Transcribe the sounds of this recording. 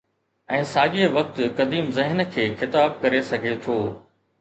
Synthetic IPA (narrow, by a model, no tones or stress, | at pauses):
ɛ̃ːsaːʄeʋɐk̚t̪kɐd̪iːmzɪɦnəkʰeːxɪt̪aːb̚kɐɾesɐɡʱet̪ʰoː